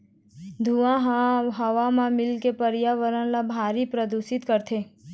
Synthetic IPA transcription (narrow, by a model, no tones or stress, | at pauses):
d̪ʱuãɦɦəʋamãmɪlkepəɾjaʋəɾənlabʱaːɾipɾəd̪usɪt̪kəɾt̪ʰe